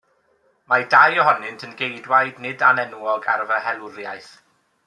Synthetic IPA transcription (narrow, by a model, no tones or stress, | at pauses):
madajɔhɔnɪntʰənɡejdwajdnɪdanɛnuɔɡa̰rvəhɛlˠʊɾja̰jθ